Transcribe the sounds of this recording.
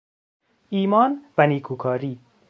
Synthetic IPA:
iːmɒːnvæniːkʰuːkʰɒːɾiː

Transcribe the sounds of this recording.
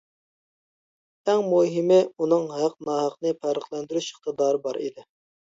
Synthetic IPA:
ɛŋmuɦimɪunɨŋɦæq̚nɑːɦɑqnɨpʰæɾəχlˠɛnd̪yɾyʃəχt̪ɨd̪ɑːɾɨbɑɾḭd̪ɪ

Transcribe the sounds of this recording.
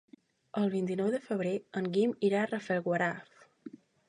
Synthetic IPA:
əlˠβint̪inɔwðəfəβɾeəŋɡimiɾarəfɛlˠɣwəɾaf

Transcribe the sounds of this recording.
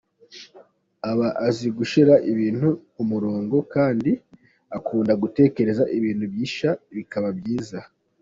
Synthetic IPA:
aβaʔaziɡuʃiɾaʔiβiːn̥huːmuɾoːŋɡo̞kaːndi | akʰuːndaɡute̞ːke̞ɾe̞zaʔiβiːn̥huβjiːʃaβikaβabjiːza

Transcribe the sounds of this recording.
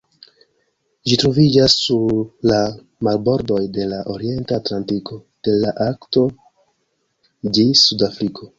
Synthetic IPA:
ʒitɾo̞vid͡ʒasːuɾla | malbo̞ɾdo̞jde̞laʔo̞ɾie̞ntatlantiko̞d̥e̞laʔakto̞ | d͡ʒisudafɾikʰo̞

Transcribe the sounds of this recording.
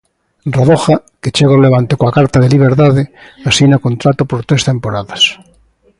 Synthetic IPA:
raðoxa | ket͡ʃeɣaoleβant̪ekoakaɾt̪aðeliβ̞eɾt̪aðeasinakont̪ɾat̪opoɾt̪ɾest̪empoɾaðas

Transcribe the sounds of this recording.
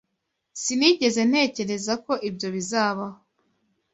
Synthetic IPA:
siniːɟe̞ze̞n̥he̞ːce̞ɾe̞zako̞ʔibɟo̞βizaːβaho

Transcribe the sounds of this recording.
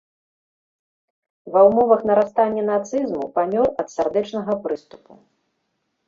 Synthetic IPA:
vɐwmɔvɐxn̪ɐɾast̪anʲːɛnat̪sɨzmupamʲɔrɐt̪sʲard̪ɛt͡ʂnɐɣɐpɾɨst̪upṵ

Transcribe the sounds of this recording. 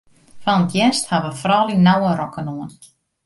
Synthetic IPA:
fant̪jɛnst̪havafɾɔːlinaːwaɾɔkːanuan

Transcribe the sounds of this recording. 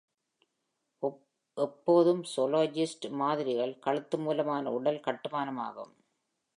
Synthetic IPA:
ʔɛpːoːðɯmsɔloːd͡ʒɪsʈmaːðɪɾɪɣɐɭkɐɭɯt̪ːɯmuːlɐmaːnɐ̰ʊɽɐlkɐʈːɯmaːnɐma̰ːɣɯ̰m

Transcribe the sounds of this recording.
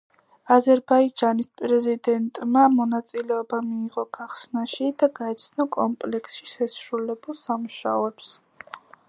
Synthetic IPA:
azɛɾbaid͡ʒanispʼɾɛzid̪ɛnt̪ʼmamɔnat̪sʼilɛɔbamiːʁɔɡ̥aχsnaʃid̪aɡaɛt̪sʰnɔkʼɔmpʼlɛksʃiʃɛsɾulɛbulˠsamuʃaɔɛps

